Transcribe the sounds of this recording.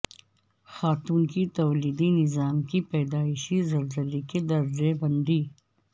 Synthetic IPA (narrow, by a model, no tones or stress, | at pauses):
xaːt̪uːnkit̪ɐwliːd̪inɪzaːmkipɛːd̪aːɪʃizɐlzəliked̪ɐɾzebɐ̃nd̪iː